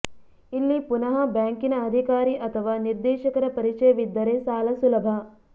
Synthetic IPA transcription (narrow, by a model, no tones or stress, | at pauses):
ilːipunɐɦɐbaːŋkinɐɐd̪ʱikaːɾiʔɐt̪ʰɐʋaːniɾd̪eːʃɐkɐɾɐpɐɾit͡ʃɐjɐʋid̪ːɐɾeːsaːlɐsulɐbʱɐ